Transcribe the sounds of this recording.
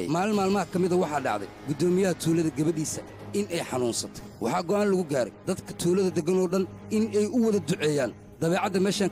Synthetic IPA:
maːlɪnmaːlmɐɦɐkʰɐmɪðɐwɑħɑːɖɑ̰ʕðɛ̰jɡʊd̪ɔːmɪjɐɦɐt̪ʰuːlɐðɐɡɐβɐɖiːsɐ | ʔɪnɛjħɑnuːnsɐt̪ʰɐ̥jwʔɑ̰ħɑːɡɔʔaːnlɐɣʊɡaːɾɛ̰jd̪ɐd̪kʰɐ̥t̪ʰuːlɐðɐd̪ɛɡɐnɔːɖɐn | ɪnɛjʔʊwɐðɐd̪ʊʕɛːjaːn | d̪̥ɐβɛːʕɑd̪ɐmɛːʃaː

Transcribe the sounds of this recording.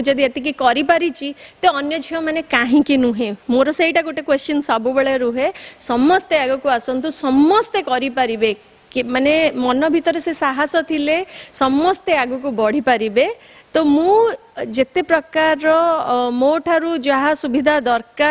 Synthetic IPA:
d͡ʒɔd̪iet̪ik̬ikɔɾipaɾit͡ʃʰit̪eɔnjɔd͡ʒʱiɦɔmanekaɦĩkinuɦẽmoɾɔseiʈakoʈekwest͡ʃɔnsabubeɭeɾuɦesɔmːɔst̪eaɡukuasɔnt̪usɔmːɔst̪ekɔɾipaɾibe | kmanemɔnɔbʱit̪ɔɾesesaɦasɔt̪ʰilesɔmːɔst̪eaɡukubɔɽ̤ipaɾibe | t̪omũ | d͡ʒet̪epɾɔkaɾɔmoʈʰaɾud͡ʒaɦasubʱid̪ʱad̪ɔɾka

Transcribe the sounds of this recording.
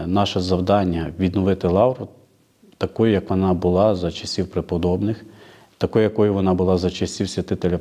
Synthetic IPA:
nɑʃɛzɐwd̪ɑnʲːɐʋʲid̪nɔʋɪt̪ɪlˠɑwɾʊ | t̪ɐkɔjʊjɐkʋɔnɑbʊlˠɑzɐt͡ʃɐsʲiwpɾɪpɔd̪ɔbnɪx | t̪ɐkɔjʊjɐkɔjʊʋɔnɑbʊlˠɑzɐt͡ʃɐsʲiwsʲʋʲɐt̪ɪt̪elʲɐ

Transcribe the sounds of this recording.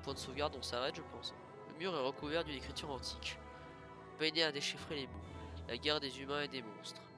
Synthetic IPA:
pwɛ̃d̪əsovɡaʁd̪ɔ̃saʁɛt̪ʒəpɑ̃s | lə̰myʁɛʁəkuvɛʁd̪ynekχit̪yʁɑ̃t̪ʰi̥k | pɛd̪ead̪eʃifχelemulʔaɡʲɛʁd̪ezymɛ̃ed̪emɔ̃st̪χ

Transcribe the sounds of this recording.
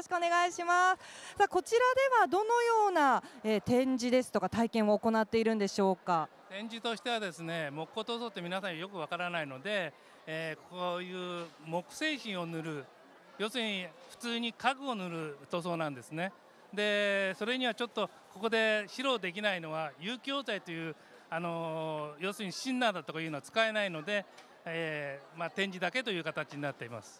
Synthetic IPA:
ɕi̥kɯone̞ɡaiɕimasɨ̥saːko̞t͡ɕiɾad̪e̞βad̪o̞no̞jo̞ːnaeːt̪ẽ̞ɲ̟d͡ʑid̪e̞sɨ̥t̪o̞kat̪aikẽ̞ɰ̃oːko̞nat̪ːe̞iɾɯ̟̃nd̪e̞ɕo̞ːka | t̪ẽ̞ɲ̟d͡ʑit̪o̞ɕi̥t̪e̞β̞ad̪e̞sɨne̞mo̞kɯo̞t̪o̞ːso̞ːt̪ːe̞mʲinasãɰ̃jo̞kɯ̟β̞akaɾanaino̞d̪e̞ː | kojɯːmo̞kɯ̟̥se̞ːɕĩɰ̃o̞nɯ̟ɾɯ̟ | jo̞ːsɨɲiɸɯ̟̥t͡sɨːɲ̟ikaɡɯ̟o̞nɯ̟ɾɯ̟t̪o̞ːs̬o̞ːnãnd̪e̞sɨne̞ | d̪e̞so̞ɾe̞ɲ̟iβat͡ɕo̞t̪ːo̞ | ko̞ko̞d̪e̞ɕiɾo̞ːd̪e̞k̬ʲinaino̞β̞ajɯːkʲo̞ːzait̪o̞jɯ̟ː | ano̞jo̞ːsɨɲ̟iɕĩnːaːd̪at̪o̞kajɯnoat͡sɨ̥kae̞naino̞d̪e̞ | emat̪ẽ̞ɲ̟d͡ʑid̪ake̞t̪o̞jɯ̟ːkat̪at͡ɕiɲ̟inat̪ːe̞ima̰sɨ̥

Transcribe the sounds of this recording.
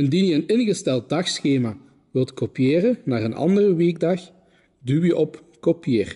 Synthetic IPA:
ɪndiːnjəənɪnɣəstɛlˠt̚dɑxsxeːmaː | ʋɪlˠtkopijeːrənaːrənʔɑ̰ndərəʋeːɡdɑx | dywjəʔɔp | kopieːr

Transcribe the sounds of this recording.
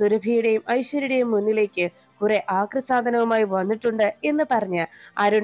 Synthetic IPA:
suɾɐbʱijuɽe̞jumɐjɕwɐɾiɽejumːunːile̞ːkʲːɨ | kureʔaːkrɐsaːd̪ʱɐnɐʋumaːjiʋɐnːiʈːuɳɖɨe̞nːɨpɐrɐɲːɨlɐɾuɳ

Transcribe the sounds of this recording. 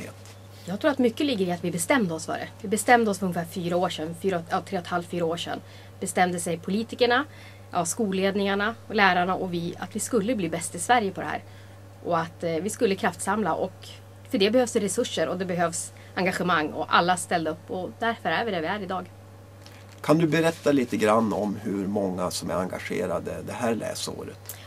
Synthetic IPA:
jɑːɡt̪ʰɾuːɾat̪mʏkːəlɪɡːəɾɪat̪vɪbɛst̪ɛmd̪əɔsfœ̰ɖɛ̰vɪbɛst̪ɛmd̪əɔsfœɵnŋːɪəfæːɾfyːɾaoːʂɛnfyːɾaɛt̪ʰɾeːɔt̪halft̪fyːɾaoːʂɛ̰nː | bɛst̪ɛmd̪əsɛjpʰʊliːt̪ɪkəɳa | ʔaskuːleːd̪nɪŋaɳalæːɾaɳaʔɔvɪa̰t̪vɪskɵlːəbliːbɛst̪ɪsvæɾjəpʰɔd̪ɛhæ̰ːɾ | ʔɔat̪vɪskɵlːəkʰɾaft̪samlaʔɔk | fœɖɛbɛhøːvsd̪ɛɾɛsɵʂːəɾɔd̪ɛbɛɦøːvs | aŋɡaɧəmaŋːɔ̰ʔa̰lːast̪ɛld̪aɵpːɔd̪æɾfœɾæɾvɪɖɛvɪæɾɪd̪ɑːɡ | kʰand̪ɵbɛɾɛt̪ːaliːt̪əɡɾanːɔmɦɵɾmɔŋːasɔmæ̰ɾaŋɡaɧḛːɾa̰d̪ə̰d̪ɛɦæːɭɛ̰ːso̰ːɾə̰t̪

